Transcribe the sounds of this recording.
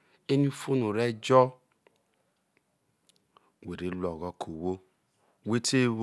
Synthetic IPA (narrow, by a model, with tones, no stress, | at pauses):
e˦n˦u˦fo˦nu˨ɾe˦d͡ʒɔ˦ | we˨ɾe˨˦lɔ˨ɣɔ˦kʰo˨wo˦ | we˦tʰe˦w